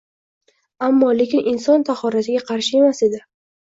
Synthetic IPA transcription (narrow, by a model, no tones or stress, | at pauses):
amːɒle̞kʲɪnʔɪnsɒnt̪ʰaχhɒɾasɪɡʲaqʰɑɾʃɪe̞mase̞d̪ɪ